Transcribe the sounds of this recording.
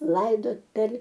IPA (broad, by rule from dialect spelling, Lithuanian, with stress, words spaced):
ˈlˠɐɪdoːt pʲɛr